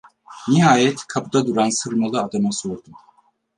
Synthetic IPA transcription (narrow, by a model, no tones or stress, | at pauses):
niɦaːjɛt̪kʰabud̪ad̪uɾansɯɾmalˠɯad̪amasoɾd̪um